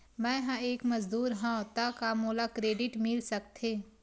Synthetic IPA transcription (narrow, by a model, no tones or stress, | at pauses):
mɛ̃ːɦãeːkmɐzd̪uːɾɦãot̪akamoːlakɾeːɖɪʈmɪlsɐk̚t̪ʰeː